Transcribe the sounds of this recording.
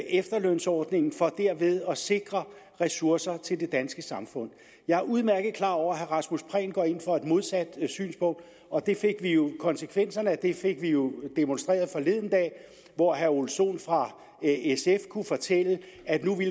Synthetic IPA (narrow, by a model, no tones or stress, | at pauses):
ʔefd̥ɐlønsɒːd̥ne̝ŋn̩fɒ̽d̥æɐ̰ʋe̝ð̞ˠɒ̽se̝ɡ̥ʁɐ | ʁɛsuɐsɐt͡sʰe̝ld̥e̝d̥ænsɡ̥əsɑ̈mfɔ̽n̰ | jɑ̈ɪɐuð̞ˠmæɐɡ̥ð̩ˠkʰlɑ̰̈ɒʊ̰ɐɦæʁɑ̈smuspʰʁɛ̰ːnɡ̥ɒ̰ːe̝nfɒ̽ed̥mo̝ð̞ˠsæd̥sy̰ːnsb̥ɔ̽n̰d̥ | ɒ̽d̥e̝fe̝ɡ̥ʋijo̝kʰɒ̽nsəkʰʋen̰sɐnəæd̥e̝fe̝ɡ̥ʋijo̝d̥e̝monsd̥ʁɛ̰ːɐðˠfɒ̽le̝ðˠn̩d̥ɛ̰ː | ʋɒɦæɐolso̝̰ːnfʁɑ̈ | esefkʰufɒ̽t͡sʰel̰ə | æd̥nuʋil